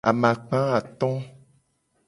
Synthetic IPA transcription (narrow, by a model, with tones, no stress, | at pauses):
a̰˨mã˨k͡pã˦a˨t̪ɔ̃˦